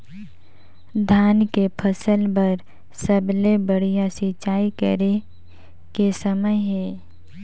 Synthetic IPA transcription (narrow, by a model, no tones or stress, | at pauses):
d̪ʱaːnkepʰəsəlpɐɾ | səblebəɽijasit͡ʃaːikə̰ɾe | kesəməjɦɛː